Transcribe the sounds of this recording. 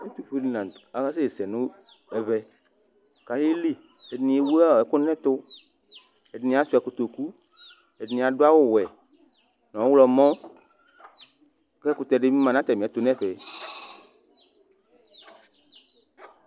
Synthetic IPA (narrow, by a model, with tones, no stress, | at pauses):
e˦t̪u˨ɸe˦di˨nã˨a˨ɣa˦se˦e˨sɛ˨nũ˦ | ɛ˨βɛ˨ | ka˨je˦li˦ | e˨dnĩ˨e˨wu˦a˦˨ɛ˨kʊ˦nɛ̃˦t̪ʊ˦ | e˨dnĩ˨˦a˨˦su˦ɛ˨ku˨t̪o˨ku˦ | e˨dnĩ˨a˨ɖo˦a˦wo˦wɛ˨ | nɔ̃˨˦wlɔ˨mɔ̃˦ | kɛ˦ku˨˦t̪ɛ˨ɖe˦mĩ˦mã˨nã˦t̪ɛ˨mĩ˨t̪o˨nɛ̃˦ɸɛ˨